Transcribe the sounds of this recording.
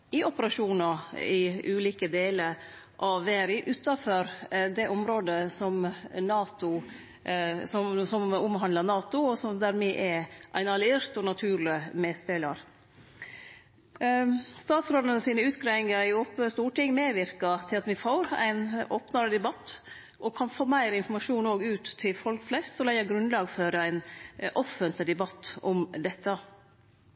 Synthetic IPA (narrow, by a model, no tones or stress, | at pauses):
ɪɔpəɾɑʂuːnɑɾɪʔʉːliːkəd̪eːləɾ | ʔɑʋːeːɾɪʔʉːt̪ːɑføɾd̪ɛʔʊmɾoːd̪əsɔmnɑːt̪ʊ | sɔmsɔmʊmɦɑnlɑnɑːt̪ʊɔsɔmd̪æɾmɛʔɛʔæɪnɑlɪeːɾt̪ɔnɑt̪ʰʉːɾlɪmeːspeːlɑɾ | st̪ɑːt̪sɾoːlənəsiːnəʉːt̪kɾɛŋɡəɪopəst̪uːʈɪŋːmeːʋɪɾkɑt̪ʰɪlɑt̪ʋɪfoːɾæ̰ɪnoːpnɑɾəd̪ɛbɑt̪ː | ʔɔkʰɑnfoːmæɪɾɪnfɔɾmɑʂuːnoːɡʉːt̪ʰːɪlfɔlkflɛst̪sɔlæɪɑɡɾʉnlɑːɡføːɾəæɪnʔɔfənt̪lɪd̪ɛbɑt̪ːɔmd̪ɛt̪ːə